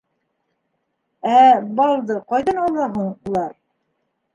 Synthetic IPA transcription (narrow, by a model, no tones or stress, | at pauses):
æbɑlˠd̪ɤqɑjðɑnɑlˠːɑɦuɴulˠɑɾ